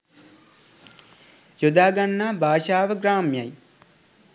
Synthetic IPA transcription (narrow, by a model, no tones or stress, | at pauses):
jod̪aːɡanːaːbaːʃaːʋəɡɾaːmjaj